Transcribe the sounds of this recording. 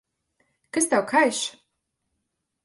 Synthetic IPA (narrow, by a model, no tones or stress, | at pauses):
kast̪awkʰajʃ